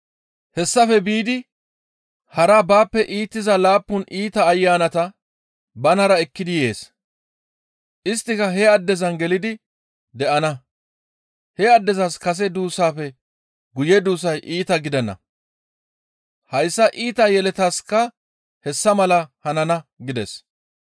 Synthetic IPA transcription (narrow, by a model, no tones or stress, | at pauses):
hɛsːɐfɛbiːd̪ɪ | hɐɾabaːpːɛʔiːt̪ːɪzɐlaːpːʊnʔiːt̪ɐːjːaːnɐt̪ɐ | bɐnɐɾɐɛkːɪd̪ɪje̞̰ːs | ʔɪst̪ːɪkɐɦɛɐd̪ːɛzɐnɡɛlɪd̪ɪ | d̪ɛʔɐnɐ | hɛɐd̪ːɛzɐskɐs̬ɛd̪uːsaːfɛ | ɡʊjɛd̪uːs̬ɐjʔiːt̪ɐɡɪd̪ɛnːɐ̰ | hɐjsːɐʔiːt̪ɐjɛlɛt̪askɐ | hɛsːɐmɐlɐhɐnɐnɐɡɪd̪ɛs